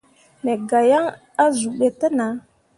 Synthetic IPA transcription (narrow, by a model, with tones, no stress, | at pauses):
ne˨ɡa˨ja˦ŋ | a˦zu˨ɓe˨tə˦na˨˦